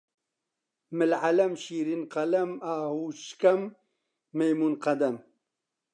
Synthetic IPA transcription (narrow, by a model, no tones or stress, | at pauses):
mɪlʕalɐmɕiːɾinqɐlɐmaːhuːɕkɐmː | ɐjmunqɐd̪ɐm